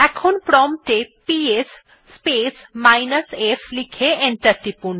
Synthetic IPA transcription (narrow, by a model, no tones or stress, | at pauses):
ɛkʰonpɾɔmʈepies | pesmajnəsefʰlikʰeeɳʈəɾʈipun